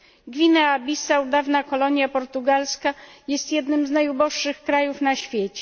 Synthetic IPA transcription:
ɡvʲinaabʲisaud̪avnakɔlɔɲjapɔɾt̪uɡalskajɛst̪jɛd̪nɘmznajubɔʂːɘxkɾajufnaɕfʲjet͡ɕɛ

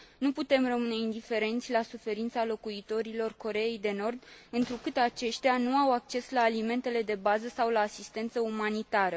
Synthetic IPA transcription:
nuput̪e̞mrəmɨne̞ind̪ife̞ɾe̞nt̪sʲlasufe̞ɾint̪salo̞kuit̪o̞ɾilo̞rko̞ɾe̞ejd̪e̞no̞rd̪ɨnt̪ɾukɨt̪at͡ʃe̞ʃt̪eanuawak̚t͡ʃe̞slaːlime̞nt̪e̞le̞d̪e̞bazəsawlaːsist̪e̞nt̪səumanit̪aɾə

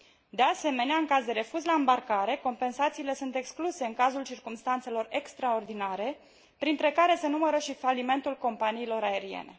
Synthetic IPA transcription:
d̪e̞ase̞me̞neaɨŋkazd̪e̞ɾe̞fuzlaɨmbarkaɾe̞ko̞mpe̞nsat̪siːle̞sunt̪e̞kskluse̞ɨŋkazult͡ʃirkumst̪ant̪se̞lo̞re̞kst̪ɾao̞rd̪inaɾe̞ | pɾint̪ɾe̞kaɾe̞se̞numəɾəʃifalime̞nt̪ulko̞mpaniːlo̞ɾae̞ɾiḛne̞̰

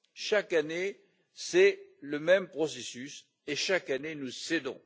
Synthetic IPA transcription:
ʃakane | sɛləmɛmpχɔsesys | eʃakanenused̪ɔ̰̃

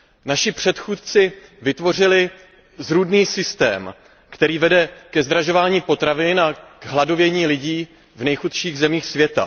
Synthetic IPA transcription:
naʃɪpr̝̥ɛt̪xuːt̪̚t͡sɪvɪt̪vo̞r̝ɪlɪ | zɾuːdniːsɪst̪ɛ̰ːm | kt̪ɛɾiːvɛdɛkɛzd̪ɾaʒo̞vaːɲiːpo̞t̪ɾavɪnaɡɦlado̞vjɛɲiːlɪɟiː | vnɛjxut̪ʃiːɣzɛmiːxsvjɛt̪a̰

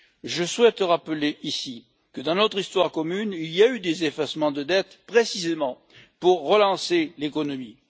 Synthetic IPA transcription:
ʒəswɛt̪ʁapəleʔisi | kəd̪ɑ̃nɔt̪χist̪waʁkɔmynilijayd̪ezefasmɑ̃d̪əd̪ɛt̪pχesizemɑ̃ | puʁːəlɑ̃selekɔnɔmi

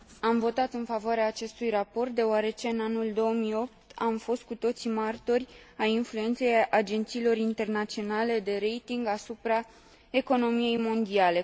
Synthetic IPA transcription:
amvo̞t̪at̪ɨnfavoaɾeaːt͡ʃe̞st̪ujrapo̞rt̪̚d̪e̞oaɾe̞t͡ʃe̞ɨnanuld̪o̞əmio̞p̚t̪amfo̞st̪̚kut̪o̞t̪simart̪o̞rʲajinflue̞nt̪se̞jad͡ʒe̞nt̪siːlo̞rint̪e̞rnat̪sio̞nale̞d̪e̞ɾe̞jt̪iŋɡasupɾa | e̞ko̞no̞mije̞jmo̞nd̪iale̞

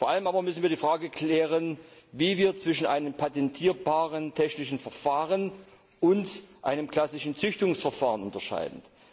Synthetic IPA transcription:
foːɐʔaləmʔaːbɐmʏsn̩viːdiːfʁ̥aːɡəkʰlɛːʁənviːviːɐt͡sv̥ɪʃn̩ʔa̰ɪnəmpʰatɛntʰiːɐbaːʁəntʰɛçnɪçn̩fɛɐfaːʁən | ʔʊntʔa̰ɪnəmkl̥asɪʃn̩t͡sʏçtʊŋsfɛɐfaːʁənʊntɐʃa̰ɪdn̩

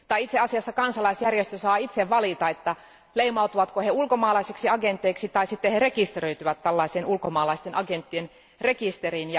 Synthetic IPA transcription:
t̪ɑiit̪seɑsiɑsːɑkɑnsɑlɑisjærjest̪øsɑːit̪seʋʋɑlit̪ɑet̪ːæ | leimɑut̪uʋɑt̪koheulkomɑːlɑiseksiɑɡent̪ːˑeiksit̪ɑisit̪ːeherekist̪erøit̪yʋæt̪tælːɑisenulkomɑːlɑist̪enʔɑɡent̪ːien | rekist̪erinjɑ

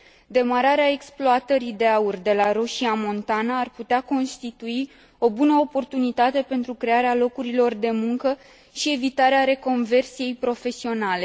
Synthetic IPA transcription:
d̪e̞maɾaɾeae̞ksploat̪əɾid̪eaurd̪e̞laɾo̞ʃiamo̞nt̪anaːrput̪eako̞nst̪it̪ui | o̞bunəopo̞rt̪unit̪at̪e̞pe̞nt̪ɾukɾe̞aɾealo̞kuɾilo̞rd̪e̞muŋkə | ʃie̞vit̪aɾeaɾe̞ko̞nve̞rsije̞jpɾo̞fe̞sio̞nale̞

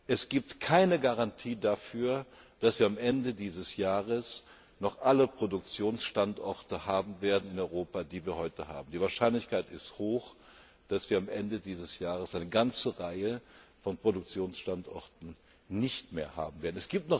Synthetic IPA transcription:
ʔɛsɡ̥iːp̚tkʰaɪnəɡaʁantʰiːdafyːɐd̥asv̥iːɐamʔɛndədiːzəsjaːʁəs | nɔχʔaləpʁ̥odʊk̚t͡sjoːnsʃtantʔɔɐtəhaːbm̩veːɐdn̩ɪnɔʏʁoːpadiːviːɐhɔʏtəha̰ːbm̩diːvaːɐʃaɪnlɪçkʰaɪtɪsthoːx | d̥asv̥iːɐamʔɛndədiːzəsjaːʁəsʔaɪnəɡant͡səʁaɪəfɔnpʁ̥odʊk̚t͡sjoːnsʃtantʔɔɐtn̩ | nɪçtmḛːɐha̰ːbm̩veːɐdn̩ɛsɡ̥iːp̚tnɔ

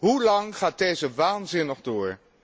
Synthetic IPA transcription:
ɦulɑŋχaːt̚dejzəʋaːnzɪnɔχdʊːɹ

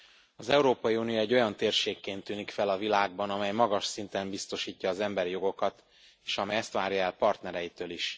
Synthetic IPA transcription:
ɒzɛuɾoːpɒjiuːnijoɛɟːo̞jɒnt̪eːrʃeːkːeːnt̪ːyːnikfɛlɒvilaːɡ̚bɒnɒmɛjmɒɡɒʃsint̪ɛmbist̪o̞ʃiːcːɒːzɛmbɛɾijo̞ɡo̞kɒt̪ | eːʃɒmɛjɛst̪ʋaːɾjɒɛlpɒrt̪nɛɾɛjit̪øːliʃ

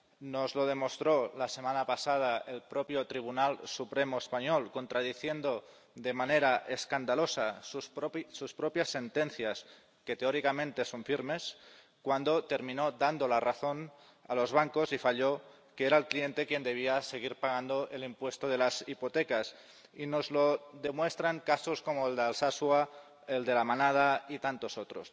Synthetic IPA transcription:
nozlo̞ð̞e̞most̪ɾolasemanapasað̞aelpɾopjot̪ɾiβ̞unalsupɾemoespaɲolkont̪ɾaðiθjend̪o | ðemaneɾaʔeskand̪alosasususpɾopjasːe̞nt̪enθjas | ket̪eoɾikamẽnt̪e̞soɱfiɾme̞s | kwand̪o̞t̪e̞ɾmĩnoðand̪olaraθo̞n | a̰lo̞zβ̞aŋkosifaʎo | keeɾaelklie̞nt̪e̞kje̞nd̪e̞β̞iase̞ɣ̞iɾpaɣand̪oʔe̞limpwe̞st̪oðe̞lasipo̞t̪ekas | ino̞zlo̞ðe̞mwe̞st̪ɾaŋkaso̞skomoeld̪alsaswa | eld̪e̞lamanað̞ait̪ant̪o̞sot̪ɾo̰s

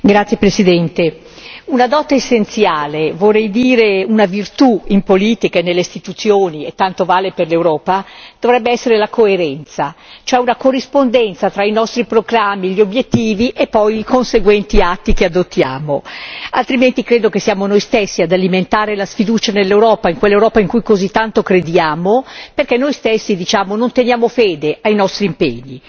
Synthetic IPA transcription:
ɡɾat̪sːjepɾesid̪ɛnt̪e | unad̪ɔːt̪aesːent̪sjaːlevorːɛjd̪iːɾeunavirt̪uimpoliːt̪ikanelːeist̪it̪ut̪sjoːniet̪ːant̪ovaːleperlewɾɔːpad̪̥ovɾɛbːeɛsːeɾelakoeɾɛnt̪sat͡ʃoɛunakorːispond̪ɛnt̪sat̪ɾainɔst̪ɾipɾoɡɾamːiʎobjet̪ːiːviʔepːɔjikonseɡwɛnt̪iat̪ːikead̪ot̪ːja̰ːmoalt̪ɾiment̪ikɾeːd̪okesːijaːmonojst̪esːiad̪aliment̪aːɾelasfid̪uːt͡ʃanelːewɾɔːpaiŋkwelːewɾɔːpaiŋkujkozit̪ːant̪okɾed̪jaːmoperk̟ɛnːojst̪esːid̪it͡ʃaːmonont̪enjaːmofeːd̪eʔajnɔst̪ɾimpḛɲːi

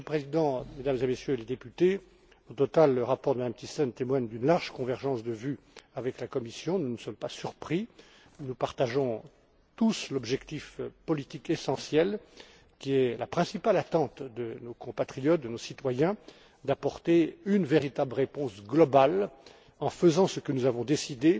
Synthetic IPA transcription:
pχezid̪ɑ̃med̪amzemesjøled̪epyt̪e | ɔ̃t̪ɔt̪alːəʁapɔʁd̪əmad̪amt̪isɔnt̪emwaɲd̪ynlaʁʒkɔ̃vɛʁʒɑ̃sd̪əvy | avɛklakɔmisjɔ̃nunəsɔmpasyʁpχi | nupaʁt̪aʒɔ̃ | t̪uslɔbʒɛkt̪ifpɔlit̪ikesɑ̃sjɛl | kʲiɛlapχɛ̃sipalat̪ɑ̃t̪d̪ənokɔ̃pat̪χijɔt̪̚d̪ənosit̪wajɛ̃ | d̪apɔʁt̪eynveʁit̪abləʁepɔ̃sɡlɔbal | ɑ̃fəzɑ̃səkənuzavɔ̃d̪esid̪e

